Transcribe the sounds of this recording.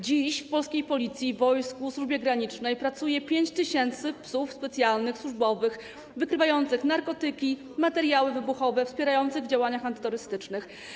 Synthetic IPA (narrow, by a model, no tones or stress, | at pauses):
d͡ʑiɕfpɔlskʲejpɔlʲit̪sʲjivɔjskuswuʐbʲjɛɡɾaɲit͡ʂnɛjpɾat̪sujɛpʲjeɲt͡ɕt̪ɘɕɛnt̪sɘpsufspɛt̪sʲjalnɘxswuʐbɔvɘx | vɘkɾɘvajɔnt̪sɘxnaɾkɔt̪ɘkʲi | mat̪ɛɾjawɘvɘbuxɔvɛfspʲjɛɾajɔnt̪sɘɣvd͡ʑawaɲaxant̪ɘ̥t̪uɾɘst̪ɘt͡ʂnɘx